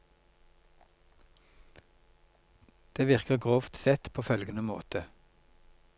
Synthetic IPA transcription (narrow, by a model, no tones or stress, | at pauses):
d̪̥eːʋɪʁkəʁɡʁoːft̪sɛt̪pʰoːfœlɡənəmo̰ːt̪ʰə